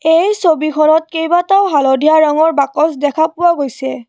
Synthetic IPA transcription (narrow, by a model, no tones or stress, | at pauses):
ejsobikʰɔnɔt̚kejbataʊɦalodʱiaɹaŋɔɹbakɔsdɛkʰapʊwaɡojsɛ